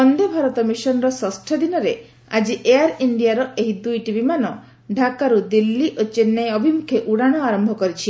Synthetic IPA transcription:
ɔnd̪ebʱaɾɔt̪ɔmisɔnɔɾɔsɔsʈʰɔd̪inɔɾe | a̰d͡ʒiʔejaɾiɳɖijaɾɔeɦid̪ujʈibimanɔ | ɖʱakaɾud̪ilːiʔot͡ʃenːajɔbʱimukʰeʔuɽaɽ̃ɔaɾɔmbʱɔkɔɾit͡ʃʰi

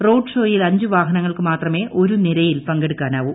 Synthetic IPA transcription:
ro̞ːɖʂo̞ːjilɐɲd͡ʑuʋaːɦɐnɐŋːɐɭkɨmaːt̪rɐme̞ːʔo̞ɾuniɾɐjilpɐŋɡeɽukːaːnaːʋum

